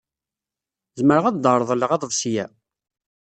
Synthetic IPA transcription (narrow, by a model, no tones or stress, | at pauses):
zməɾʁæðd̪əɾˤəðˤlːəʁæðˤəðˤsjæ